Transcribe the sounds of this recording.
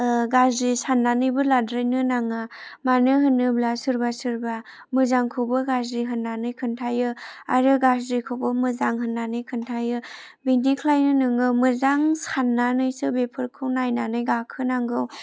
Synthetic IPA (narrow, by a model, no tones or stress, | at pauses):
ɡazɾisanːanɯjbɯladɾɯjnɯnaŋamanɯɦɯnːɯblasɯɾbasɯɾba | mɯzaŋkʰɯbɯɡazɾiɦɯnːanɯjkʰɯntʰajɯa̰ɾɯɡazɾikʰɯwbɯmɯzaŋɦɯnːanɯjkʰɯntʰajɯ | bindikʰlajnɯnɯŋɯmɯzaŋsanːanɯjsɯbepʰɯɾkʰɯwnajnanɯjɡakʰɯnaŋɡɯw